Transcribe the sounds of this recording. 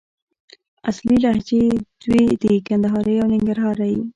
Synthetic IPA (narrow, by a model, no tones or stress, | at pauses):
asliɾahd͡ʒed̪̥wed̪əkand̪aɦɑɾəjawnɪŋɡaɾɦɑɾaji